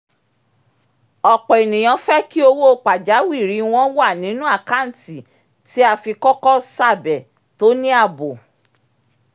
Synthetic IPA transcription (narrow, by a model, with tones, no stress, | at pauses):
ɔ˨k͡pɔ˨e˨nĩ˨j̃ɔ̃˨˧fɛ˦ki˦o˧wo˦o˦˧˨k͡pa˨d͡ʒa˨˦wi˦˨ɾi˨˦w̃ɔ̃˦wa˦˨nĩ˨˦nũ˦a˦˨ka˦˨n̩˨ti˨ | ti˦a˧fi˧kɔ˦kɔ˦sa˦˨bɛ˨ | to˦nĩ˦a˦˨bo˨